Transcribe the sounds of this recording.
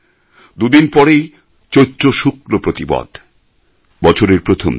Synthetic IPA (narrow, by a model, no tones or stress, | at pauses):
d̪ud̪inpɔɾej | t͡ɕojtːɕoʃukɾopɾot̪ibɔ̰d̪ | bɔt͡ɕʰoɾeɾpɾot̪ʰom